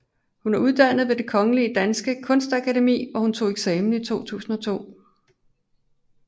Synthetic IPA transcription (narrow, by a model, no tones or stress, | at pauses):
hunæɐuð̞ˠd̥æn̰ð̞̩ˠʋe̝d̥e̝kʰɒ̽ŋəliəd̥ænsɡ̥əkʰɔ̽nsd̥ækʰæde̝mḭːʋɒhunt͡sʰo̝ːeɡ̥sɛːmn̩it͡sʰo̝̰ːt͡sʰṵːsn̩ɒ̽t͡sʰo̝̰ː